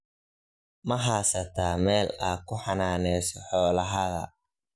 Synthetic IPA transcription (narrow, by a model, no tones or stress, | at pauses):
mɐɦaːsɐt̪ʰaːmɛːlaːkʰʊħɑnaːnɛsɔħɔːlɐɦɐɣɐ̰